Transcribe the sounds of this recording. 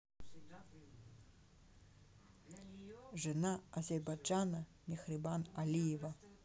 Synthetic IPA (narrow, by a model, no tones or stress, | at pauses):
ʐɨnaazʲɛrbajd͡ʒanɐ | mʲexribanalʲijɛva